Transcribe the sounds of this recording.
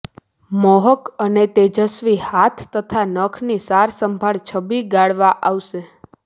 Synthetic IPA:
mɔɦəkənet̪ed͡ʒəsʋihat̪ʰːət̪ʰanəkʰnisaɾsəmbʱaɭt͡ʃʰəbiɡaɽʋaʔaʋʃe

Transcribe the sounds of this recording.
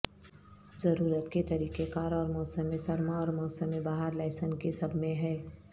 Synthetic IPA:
zɐɾuːɾət̪ket̪ɐɾiːkekaːɾɔːɾmɔːsəmːẽsɐɾmaɔːɾmɔːsəmːẽbaːɦəɾlɛːsənkesɐbʱmẽɦɛː

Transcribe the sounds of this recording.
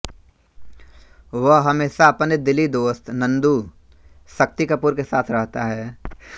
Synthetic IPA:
ʋəɦɦɐmeːʃaɐpned̪ɪlid̪oːst̪nɐ̃nd̪u | sɐk̚t̪ikɐpuɾkesaːt̪ʰɾɐɦt̪aɦɛː

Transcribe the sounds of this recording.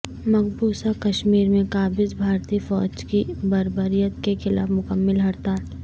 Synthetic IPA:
mɐkbuːsakɐʃmiːɾmẽkaːbɪzbʱaːɾt̪ifɔ̰ːd͡ʒkibɐɾbəɾijət̪kexɪla̰ːfmʊkəmːɪlɦɐɾt̪aː

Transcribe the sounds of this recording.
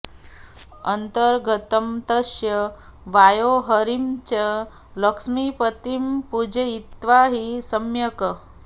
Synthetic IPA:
ənt̪əɾɡʱət̪əmt̪əʃjəʋajoɦəɾimt͡ɕə | ləkʂmipət̪impud͡ʑəit̪ʋaɦisəmjəkə

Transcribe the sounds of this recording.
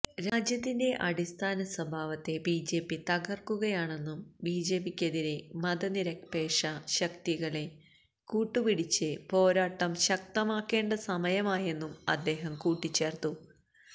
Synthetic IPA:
ɾaːd͡ʑjɐt̪ːinde̞ʔɐɽist̪ʰaːnɐsɐbʱaːʋɐt̪ːe̞biːd͡ʑe̞ːpːit̪ɐɣɐrkuɣɐjaːɳe̞nːumbiːd͡ʑeːbikʲːɐðiɾemɐðɐniɾɐkpe̞ːʂɐɕɐkt̪iɣɐɭe̞ | kuːʈːupiɽit͡ɕːɨpo̞ːɾaːʈːɐmɕɐk̚t̪ɐmaːkːe̞ːɳɖɐsɐmɐjɐmaːje̞nːumɐ̰d̪ːe̞ːɦɐmkuːʈːit͡ɕːe̞ːrt̪u

